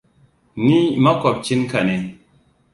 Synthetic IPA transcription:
ni˦ma˦kɔ˨p̚t͡ʃi˦nka˨ne˨

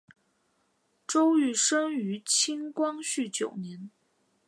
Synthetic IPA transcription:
ʈ͡ʂo˥ʊy˥˩ʂə˥ŋy˧˥t͡ɕʰi˥ŋkwɑ˥ŋɕy˥˩t͡ɕjo˨˩ʊnjɛ˧˥n

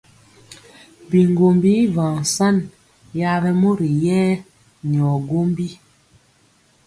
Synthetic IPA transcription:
bi˨ŋɡo˨mbi˦vã˨sa˦n | ja˦bɛ˦mo˦ɾi˨jɛː˦ | ni˨ɔ˨ɡo˦mbi˦

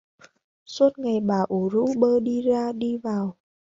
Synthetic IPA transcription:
swu˦˥t̚ŋa˨˩jɓaː˨˩ʔu˨˦zṵ˧˥ɓəː˧ɗi˧zaː˧ɗi˧vaː˨˩w

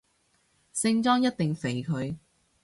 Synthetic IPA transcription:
sɪ˧˥ŋt͡sɔː˥ŋjɐ˥t̚t̪ɪ˨ŋfe˨˩jkʰɵ˨˧ɥ

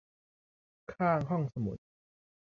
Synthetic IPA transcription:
kʰaː˥˩ŋɦɔ˥˩ŋsa˧mṵ˨˦t̪̚

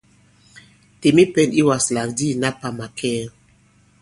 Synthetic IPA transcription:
te˨mi˦pɛ̃˦ni˦wa˨sla˨kdi˦na˦pa˨ma˨kʰɛ˦l

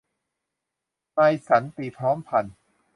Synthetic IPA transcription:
ma˧jsa˩˦nt̪iː˨˩pʰɾɔː˦˥mpʰa˧n

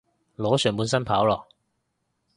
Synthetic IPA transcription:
lɔː˨˥sœː˨˩ŋpuː˨˧nsɐ˥npʰaː˨˥wlɔː˨

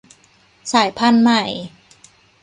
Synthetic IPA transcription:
saː˨˩˦jpʰa˥˨nma˧˩j

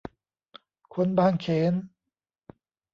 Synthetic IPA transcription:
kʰu˧nbaː˧˩ŋkʰeː˨˦n

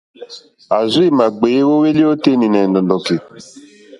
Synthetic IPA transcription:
a˨zi˦˨ma˨ɡ͡be˨˦wo˦we˦li˦o˦te˦ni˨nɛ˨ndɔ˨ndɔ˨ke˨

